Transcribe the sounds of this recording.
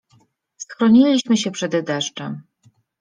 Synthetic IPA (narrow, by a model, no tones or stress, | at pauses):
sxɾɔɲilʲiɕmɘɕɛpʂɛd̪d̪ɛʂt͡ʂɛm